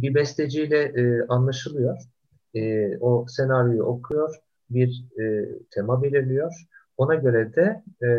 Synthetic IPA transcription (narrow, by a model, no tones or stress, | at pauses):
bibɛst̪ed͡ʒijlʲɛʔːʔanlˠaʃɯlˠɯjo̞ɾ̥ | ɛːosenaɾjojṵʔo̞kʰujo̞ɾ̥ | biɾ | t̪ʰemabelʲiɾlʲijo̞ɾ̥ | o̞naɟø̞ɾɛd̪ɛ